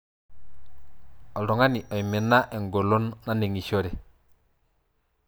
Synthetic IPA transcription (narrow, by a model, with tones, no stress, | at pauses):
o˨lo˨ŋa˦ni˨ʔo˨jmi˨nːa˦ʔe˨ŋɡo˨lo˦nːa˦ne˨ŋi˨ʃo˦ɾe˨